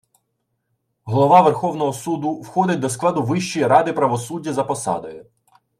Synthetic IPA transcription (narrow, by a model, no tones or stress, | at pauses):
ɦlˠɔʋɑʋerxɔwnɔɦɔsud̪ʊwxɔd̪ɪt̚ʲd̪ɔsklˠɑd̪ʊʋɪʃt͡ʃijiɾɑd̪ɪpɾɐʋɔsudʲːɐzɐpɔsɑ̰d̪ɔjʊ